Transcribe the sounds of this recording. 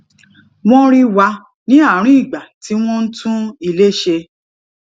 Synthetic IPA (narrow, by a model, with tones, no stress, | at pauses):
w̃ɔ̃˦ɾi˦wa˧ | nĩ˦a˦˨˦ɾ̃ĩ˦i˦˨ɡ͡ba˨ti˨˦w̃ɔ̃˦n̩˦tʰũ˦i˧le˦ʃe˧